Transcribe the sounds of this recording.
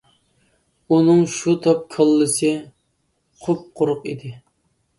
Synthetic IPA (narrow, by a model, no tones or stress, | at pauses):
unɨŋʃut̪ʰɑp̚kʰəlˠːɨsɨ | χʊp̚qʰʊɾʊqid̪ɪ